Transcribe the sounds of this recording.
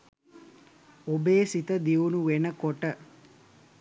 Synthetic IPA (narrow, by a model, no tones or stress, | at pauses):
obeːsit̪əd̪iʋunuʋenəkoʈə